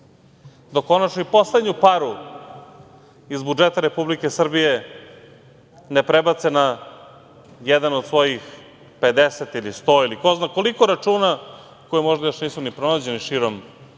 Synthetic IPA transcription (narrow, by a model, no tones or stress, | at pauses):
d̪oko̞nat͡ʃnoipo̞slˠe̞d̪ɲupaɾu | izbud͡ʒet̪aɾepublike̞sr̩bije | nepɾebat̪sena | jed̪anod̪sʋo̞jix | pe̞d̪eset̪ilist̪o̞ːiliko̞znako̞likoɾat͡ʃuːna | kojemo̞ʒd̪ajoʃniːsunipɾo̞nad͡ʑe̞niʃiɾom